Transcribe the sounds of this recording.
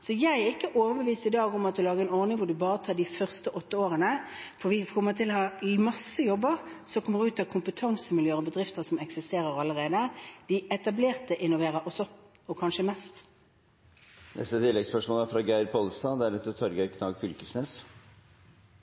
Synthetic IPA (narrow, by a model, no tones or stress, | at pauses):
sɔjæɪɛɪkːəʔoːʋəbəʋiːst̪ɪd̪ɑːɡɔmɑt̪d̪ʉlɑːɡəɛːnɔʁnɪŋʋʊɖʉbɑːɾət̪ʰɑːdɪfœʁst̪əʔɔt̪ːəoːʁənə | fɔʋɪkʰɔmːət̪ʰɪlɔhɑmɑsːəjɔbːəʁsɔkʰɔməʁʉːt̪ɑkʰʊmpət̪ʰɑŋsəmɪljøːɾɔbəd̪ɾʁɪft̪əʁsɔmɛksɪst̪eːɾəɾɑləʁeːd̪əd̪̥ɪɛt̪ɑbleːʁt̪əʔɪnʊʋeːʁəɾɔsɔ | ɔkʰɑnʃəmɛːst̪ | nʔɛ̰st̪ət̪ʰɪlːɛɡspœʂmoːlæɾfɾɑːɡæɪɾpʰɔlst̪ɑːd̪ɛæɾɛt̪ːɔt̪ʰɔɾɡəɾkʰnɑːɡfʏlkəsneːs